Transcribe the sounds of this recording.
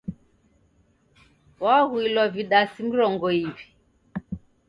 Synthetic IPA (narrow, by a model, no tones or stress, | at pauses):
wahuilwaviɗasim̩ɾɔŋɡɔivi̥